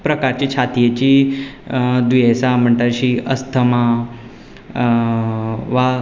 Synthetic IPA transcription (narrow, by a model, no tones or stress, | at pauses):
pɾəkaɾt͡ɕit͡ɕʰat̪ijet͡ɕiː | d̪ujesam̤əɳʈ̪əɕiːəst̪ʰəma | ʋa